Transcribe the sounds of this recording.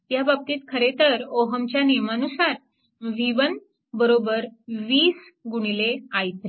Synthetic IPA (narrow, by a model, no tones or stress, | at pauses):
t̪jabab̚t̪iːt̪kʰəɾet̪əɾoɦəmt͡ɕjanijmanusaɾ | ʋiʋən | bəɾobəɾʋiːs | ɡuɽ̃ileajt̪ɾe